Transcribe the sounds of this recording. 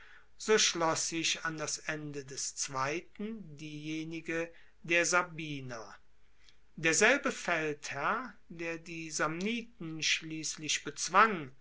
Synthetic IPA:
z̥oːʃlɔsɪʃandasʔɛndədɛst͡sv̥aɪtn̩diːjeːnɪɡə | deːɐzabiːnɐ | d̥eːɐzɛlbəfɛlthæɐ | deːɐdiːzamniːtn̩ʃliːslɪʃb̥ət͡sv̥aŋ

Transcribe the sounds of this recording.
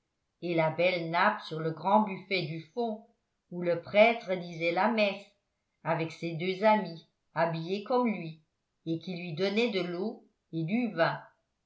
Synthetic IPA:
elabɛlnapsyʁləɡʁɑ̃byfɛd̪yfɔ̃ | uləpχɛt̪χəd̪izɛlamɛs | avɛksed̪øzami | abijekɔmlɥi | ekʲilɥid̪ɔnɛd̪əlo | ed̪yvɛ̃

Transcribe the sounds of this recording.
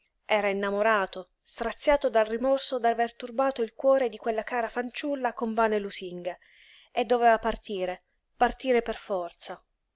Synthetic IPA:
ɛːɾainːamoɾaːt̪o | st̪ɾat̪sːjaːt̪od̪alrimɔrsod̪avert̪urbaːt̪oilkwɔːɾed̪ikwelːakaːɾafant͡ʃulːakoɱvanelusiŋɡe | ed̪ːovɛːvapart̪iːɾe | part̪iːɾeperfɔrt̪sa

